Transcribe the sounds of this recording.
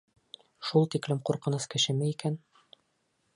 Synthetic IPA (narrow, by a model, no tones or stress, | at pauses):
ʃulˠt̪iklɘmquɾqɤ̆nɤskɘ̆ʃɘ̆mæikæn